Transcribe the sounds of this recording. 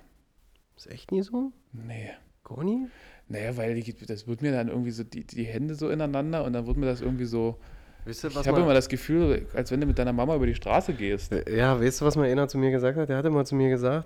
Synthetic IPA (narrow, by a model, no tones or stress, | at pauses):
ʔɛ̰çtniːzoː | nə | ɡ̥ʰɔ̰ninajavaɪlid̥asv̥ɪɐtmiːɐdanʔɪ̰ɐɡŋ̩tv̥iːzoːdḭːdiːɦɛndəzoːɪnaɪnandɐʊntd̥anvɪɐtmiːɐdas̬ʔɪɐɡŋ̩tv̥iːzoː | vɪlstuvashaːbəɪmɐdasɡ̥əfyːlzoːʔa̰lsv̥ɛnduːmɪt̚d̥aɪnɐmamaʔyːbɐɾiːʃtʁ̥a̰ːsəɡeːstjaːvaɪstd̥uːvasmanʔeːnat͡sumiːɐɡəzaːk̚that̚deɐhatɪmaːlt͡sumiːɐɡəzaːkt